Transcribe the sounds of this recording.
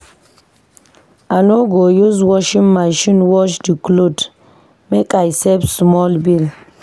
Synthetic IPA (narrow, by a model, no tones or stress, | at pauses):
anoɡojuz̬wɔʃiŋmaʃinwɔʃdiklod | mekʼajsɛbsmɔlbil